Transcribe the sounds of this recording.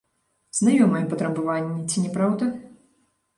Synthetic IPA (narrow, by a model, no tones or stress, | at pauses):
z̥najɔmɨjɛpɐt̪ɾɐbɨvanʲːɛt͡sʲinʲɛpɾawd̪ɐ